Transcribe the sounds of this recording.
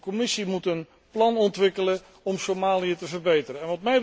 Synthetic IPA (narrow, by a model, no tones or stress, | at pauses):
komɪsimutən | plɑnɔntʋɪkələ | ɔmsomaːliətəvərbejtərəɛ̃nʋɑtmɛj